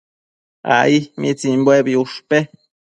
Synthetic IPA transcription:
a̰ihmit͡simbwebiuʂpe

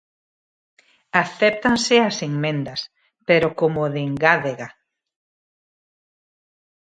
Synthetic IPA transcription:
aθɛp̚t̪anseaseŋmẽnd̪ɐs | peɾokomoðeŋɡaðeɣa

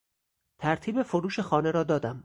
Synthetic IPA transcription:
t̪ʰæɾt̪ʰiːbe̞foɾuːʃe̞xɒːne̞ɾɒːd̪ɒːd̪æm

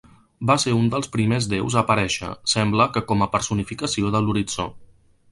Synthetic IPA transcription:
baseɾund̪əlˠspɾimezðewzəpəɾɛʃə̰sɛmbləkəkɔməpəɾsunifikəsioðəluɾit͡so̰

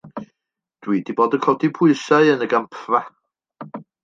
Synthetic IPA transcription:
d̥wiːdiboːdəkʰɔdipʰʊɨsaɨənəɡampʰra

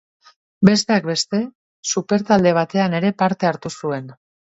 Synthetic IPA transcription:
be̞s̬t̪e̞ak̚be̞st̪e̞ | supe̞ɾt̪ald̪e̞β̞at̪e̞ane̞ɾe̞paɾt̪e̞aɾt̪usue̞n

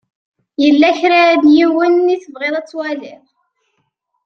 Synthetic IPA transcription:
jəlːæçɾaðjiwənːiθəvʁeðˤæt͡sːwælɪʁ

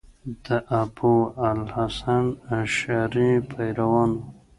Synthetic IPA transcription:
d̪əʔaboalhasanaʃaɾĩpʰajɾawɑn

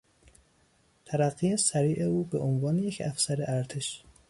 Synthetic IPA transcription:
t̪ʰæɾæɣːiːesæɾiːʔeuːbeʔonvɒːneje̞cʰæfsæɾeʔæɾt̪ʰeʃ

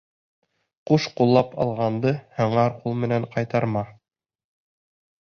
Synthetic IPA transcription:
quʃqulˠːɑpɑ̰lˠʁɑnd̪ɤhɤ̆ɴɑɾqulˠmɘ̆næɴqɑjt̪ɑɾmɑ

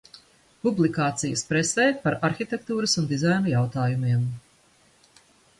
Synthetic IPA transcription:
publˠikaːt̪sijəspɾɛsɛjpaɾaɾxit̪ɛk̚t̪uːɾəsund̪izajnujawt̪aːjumiɛm

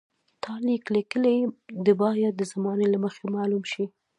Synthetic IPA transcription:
t̪ʰɑliklikəled̪əbɑjad̪̚d̪əzamɑnelaməxemɑlumʃi

